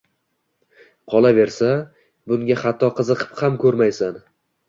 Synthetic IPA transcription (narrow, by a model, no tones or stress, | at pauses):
qʰɒlˠave̞ɾsa | bʊŋɡʲaχat̪ʰːɒqʰɨzɨqʰɨ̥phamkʰɵɾmajsan